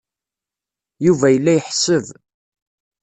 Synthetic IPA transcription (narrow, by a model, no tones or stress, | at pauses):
juvæjəlːæjəħsəv